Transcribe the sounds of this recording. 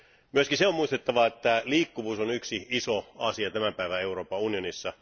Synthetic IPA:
myøskiseomuist̪et̪ːɑʋɑet̪ːæliːkːuʋuːsonyksiisoɑsiɑt̪æmæpæiʋæe̞uro̞ːpɑunionisːɑ

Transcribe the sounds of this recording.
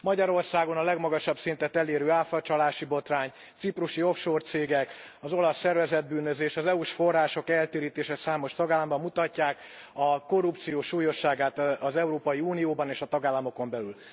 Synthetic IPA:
mɒɟɒɾo̞rsaːɡo̞nɒlɛɡmɒɡɒʃɒbsint̪ɛt̪ɛleːɾøːaːfɒt͡ʃɒlaːʃibo̞t̪raːɲ | t̪sipruʃio̞fʃoːrt̪seːɡɛkɒzo̞lɒsːɛrvɛzɛd̪̚byːnøzeːʃɒzɛuʃfo̞rːaːʃo̞kɛlt̪eːɾiːt̪eːʃɛsaːmo̞ʃt̪ɒɡaːlːɒmbɒmːut̪ɒcːaːk | ɒko̞rupt̪sijoːʃuːjo̞ʃːaːɡaːt̪ːzɛuɾoːpɒjiuːnijoːbɒneːʃɒt̪ɒɡaːlːɒmo̞ko̞mbɛlyl

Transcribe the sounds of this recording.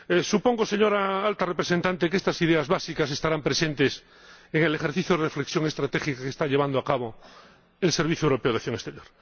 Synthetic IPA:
esupo̞ŋɡose̞ɲo̞ɾaalt̪arepɾesent̪ant̪ekest̪asiðeazβasikase̞st̪aɾampɾese̞nt̪es | eŋelexeɾθiθjoðerefleksjo̞ŋe̞st̪ɾat̪exikakest̪aʎeand̪oakaβo | elseɾβ̞iθjoewɾo̞peoðaθjo̞ŋest̪eɾjo̞ɾ

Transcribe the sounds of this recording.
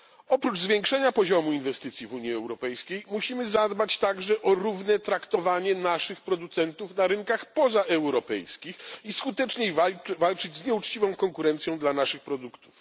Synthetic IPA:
ɔpɾud͡ʐzvʲjɛŋkʂɛɲapɔʑɔmuinvɛst̪ɘt̪sʲjivuɲjiɛwɾɔpɛjskʲejmuɕimɘzad̪bat͡ɕt̪aɡʐɛʔɔɾuvnɛt̪ɾakt̪ɔvaɲɛnaʂɘxpɾɔd̪ut̪sɛnt̪ufnaɾɘŋkaxpɔzaʔɛwɾɔpɛ̰jskʲixiskut̪ɛt͡ʂɲejvvalt͡ʂɘd͡ʑzɲɛut͡ʂt͡ɕivɔ̃w̃kɔŋkuɾɛnt̪sʲjɔ̃w̃d̪lanaʂɘxpɾɔd̪ukt̪u̥f

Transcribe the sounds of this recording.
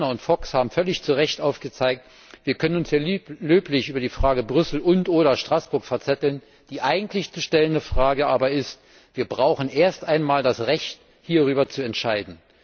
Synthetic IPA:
nɐʊntfɔkshaːbm̩fœlɪçt͡suʁɛçtʔaʊfɡ̥ət͡saɪk̚t | v̥iːɐkʰœnənʊnseːɐløːplɪçʔyːbɐdiːfʁ̥aːɡəbʁʏsl̩ʔʊntʔoːɾɐʃtʁ̥asb̥ʊɐkfɛɐt͡sɛtl̩n | d̥iːʔaɪɡŋ̩tlɪçt͡suʃtɛləndəfʁ̥aːɡəʔaːbɐɪst | v̥iːɐbʁaʊxn̩ʔeːɐstʔaɪnmaːldasʁɛçt | hiːɐʁyːbɐt͡suɛntʃaɪdn̩

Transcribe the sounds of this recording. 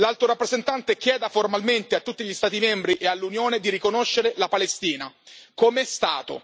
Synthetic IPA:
lalt̪oɾapːɾezent̪ant̪ek̟jɛːd̪aformalment̪eat̪ːut̪ːiʎist̪aːt̪̬imɛmbɾiʔealːunjoːned̪iɾikonoʃːeɾelapalest̪iːna | komeɛst̪aːt̪o̰

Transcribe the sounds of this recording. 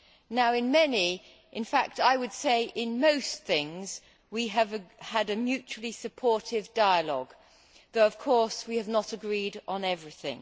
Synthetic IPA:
naʊɨ̃nmɛni | ʔɨ̃nfæk̚taɪwɨd̥seɪʔɪ̃nmoʊsθɪ̃ŋz | wiɨvəɾɨmjʉt͡ʃul̩ˠisɨpʰɔɹɾɪvdaɪəlɔ̰ɡ | ðoʊʌv̥kʰɔˑɹswiɨvnəɾəɡɹiɾn̩ɛvɹiθɪ̰̃ŋ

